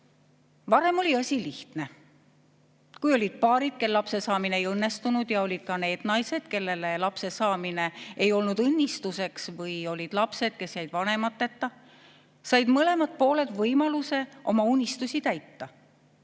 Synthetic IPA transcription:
vɑɾe̞mo̞lʲiɑsʲiliht̪ne̞ | kujo̞lʲid̪̥̚pɑːɾid̪̥̚ke̞lːlɑpse̞sɑːmineejɤnːe̞st̪unud̪̥jɑo̞lʲid̪̥̚kɑne̞ːd̪̥nɑjse̞d̪̥ke̞lːe̞le̞lɑpse̞sɑːmine̞ejo̞lnud̪̥ɤnʲːist̪use̞ksvɤjo̞lʲid̪̥lɑpse̞d̪̥̚ke̞sjæjd̪̥vɑne̞mɑt̪ːet̪ːɑ | sɑjd̪̥mɤle̞mɑd̪̥̚po̞ːle̞d̪vɤjmɑluse̞ʔo̞̰mɑunʲːist̪usit̪æjt̪ːɑ

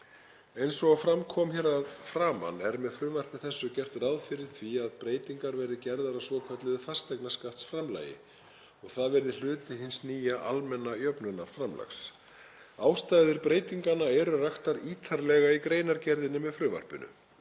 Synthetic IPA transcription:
ejnsɔɣafɾamkʰɔmçɛɾaðfɾaːma̰nɛɾmɛðfɾʏːvar̥pɪθɛsːʏcɛr̥t̪rawðfɪɾɪɾ̥θʰviaðpɾeːjt̪iŋkaɾvɛɾðɪcɛɾðaɾasvɔkʰvɛt̪lɪðɪfar̥st̪ɛjknaskaft̪sfɾamla̰ːjɪ̰ | ɔɣθaðvɛɾðɪl̥ʏːt̪ɪɦɪnsniːjaʔalmɛnːajœpnʏnːaɾ̥fɾamlʔa̰xs | aːwst̪aːjðɪɾpɾeːjt̪iŋkanaɛɾʏraxt̪aɾiːt̪ʰaɾlɛɣaikɾeːjnaɾcɛɾðɪnːɪmɛðfɾʏːva̰r̥pʏ̰nʏ̰

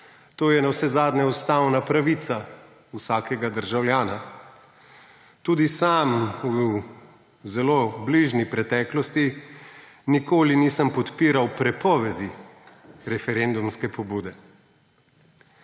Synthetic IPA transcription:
t̪oːjɛnawsɛzaːd̪nɛɔst̪aːwnapɾaʋit̪sa | wsaːkɛɡad̪əɾʒawljaːna | t̪uːd̪isamw | zɛloːbliʒnipɾɛt̪ɛːklɔst̪i | nikoːliniːsəmpɔt̪piːɾawpɾɛpɔːʋɛd̪i | ɾɛfɛɾend̪umskɛpɔbuːd̪ɛ

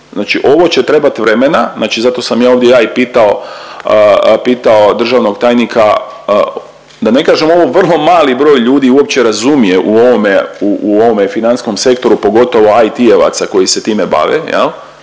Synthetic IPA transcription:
znaːt͡ʃiʔo̞ʋo̞t͡ɕet̪ɾe̞bat̪ʋɾemenaznaːt͡ʃizat̪o̞samjaːo̞ʋd̪jejaːipiːt̪ao̞ | piːt̪ao̞d̪r̩ʒaːʋno̞ɡt̪aːjnikʰa | d̪ane̞kaːʒemo̞ʋo̞ʋr̩lˠo̞maːlibɾo̞jʎuːd̪iuop̚t͡ɕeɾazumije̞ʔuo̞ʋomeuʔuoʋomefinansko̞mse̞kt̪o̞ɾupo̞ɡo̞t̪o̞ʋo̞ajt̪ieʋa̰t̪sako̞jise̞t̪iːmeba̰ːʋḛjḛlˠ

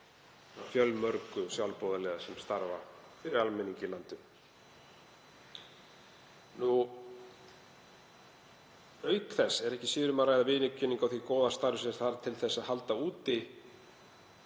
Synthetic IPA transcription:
fjœlmœɾkʏsjawlpɔwðalɛːɣasɛmst̪aɾva̰fɪɾɪɾalmɛniɲcɪlant̪ʏ | nu | œɥkθɛsːɛɾɛhcɪ̥siːðɾʏmarajðavɪːnʏcʰːʏnːiŋkawθikɔːðast̪aɾvʏsɾ̥θaɾt̪ʰɪlθɛsːaðhalt̪auːt̪ɪ

